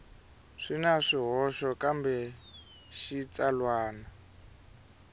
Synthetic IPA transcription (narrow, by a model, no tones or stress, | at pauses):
ʂinaʂiɦɔʃɔkambɛ | ʃit͡salwaːna